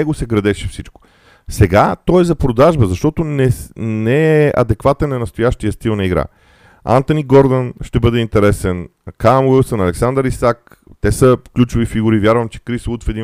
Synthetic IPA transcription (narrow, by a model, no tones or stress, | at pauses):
ɛɡosɛɡɾɐd̪ɛʃɛfsit͡ʃko̥ | sɛɡat̪ɔjzɐpɾod̪aʒbəzɐʃt̪ɔt̪onɛnɛɛʔɐ̰d̪ɛkvat̪ɛnːɐnɐst̪ojaʃt̪ijəst̪ilˠnɐiɡɾa̰ | a̰nt̪oniɡɔɾd̪ənʃt̪ɛbɤd̪ɛint̪ɛɾɛsɛn | kamvisənɐlɛksand̪əɾisak | t̪ɛsəklʲut͡ʃʊvifiɡʊɾivjaɾvəmt͡ʃɛ̥kɾislˠut̪fɛd̪in